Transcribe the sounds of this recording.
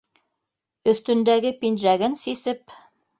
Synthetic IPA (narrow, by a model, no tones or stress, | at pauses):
ɵ̆θt̪ɵ̆nd̪æɡɘpinʒæɡɘnsisɘp